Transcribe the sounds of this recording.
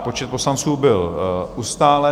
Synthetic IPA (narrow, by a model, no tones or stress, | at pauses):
po̞t͡ʃɛt̪̚po̞slant͡suːbɪlʔust̪aːlɛ